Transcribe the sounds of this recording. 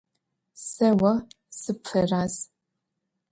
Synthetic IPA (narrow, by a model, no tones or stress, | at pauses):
sɐwɐ | sɨpfɐraːz